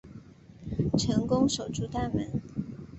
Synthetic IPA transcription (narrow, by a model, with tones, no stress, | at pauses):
ʈ͡ʂʰɤ˧˥ŋkʊ˥ŋʂo˨˩ʊʈ͡ʂu˥˧t̪a˥˩nmə˧˥n